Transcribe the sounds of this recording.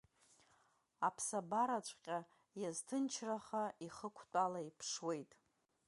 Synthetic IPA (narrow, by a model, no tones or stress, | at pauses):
apʰsabaɾat͡ʃʷʼqʲʼa | jaztʰɨnt͡ʃʰraχaiχəkʷʰtʷʼalaipʰʂwe̞jtʼ